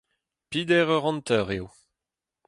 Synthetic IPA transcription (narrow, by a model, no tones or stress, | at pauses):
pid̪ɛːʁœʁɑ̃nt̪œʁew